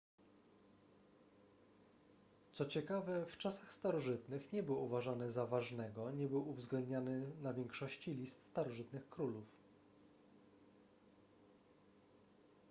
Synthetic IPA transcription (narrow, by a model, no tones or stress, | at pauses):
t̪sɔt͡ɕɛkavɛft͡ʂasaxst̪aɾɔʐɘt̪nɘxɲɛbɘwuvaʐanɘzavaʐnɛɡɔɲɛbɘwuvzɡlɛnd̪ɲanɘnavʲjɛŋkʂɔɕt͡ɕilʲist̪st̪aɾɔʐɘt̪nɘxkɾuluf